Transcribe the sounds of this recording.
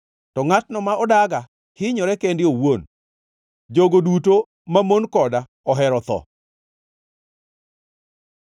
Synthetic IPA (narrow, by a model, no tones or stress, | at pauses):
tɔŋatnɔmaɔdaɡa | hɪɲɔɾɛkendɪowon | d͡ʒoɡoduto | mamonkɔda | ɔɦɛɾɔt̪ɔ̰